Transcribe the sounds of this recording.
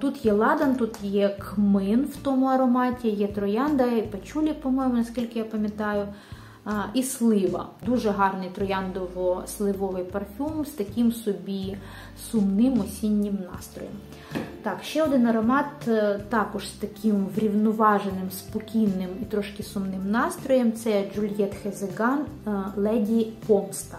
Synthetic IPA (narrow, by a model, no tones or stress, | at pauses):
t̪ut̪jɛlˠɑd̪ɐnt̪ut̪jɛkmɪnwt̪ɔmʊɐɾɔmɑtʲijɛt̪ɾɔjɑnd̪ɐipɐt͡ʃulʲipɔmɔjmʊnɐskʲilʲkɪjapɐmʲjɐt̪ɑjʊ | islˠɪʋɐ̰d̪uʒɛɦɑrnɪjt̪ɾɔjɑnd̪ɔʋɔslˠɪʋɔʋɪjpɐrfʲumst̪ɐkʲɪmsɔbʲi | sʊmnɪmɔsʲinʲːɪmnɑ̰st̪ɾɔ̰jɛm | t̪ɑkʃt͡ʃɛɔd̪ɪnɐɾɐmɑt̪t̪ːɑkɔʒst̪ɐkʲʰɪmʋɾʲiwnɔʋɑʒenɪmspɔkʲijnːɪmit̪ɾɔʃkɪsʊmnɪmnɑst̪ɾɔjɛmt̪sɛd͡ʒʊlʲjɛt̪xezeɡɑnlˠɛdʲipɔmst̪ɐ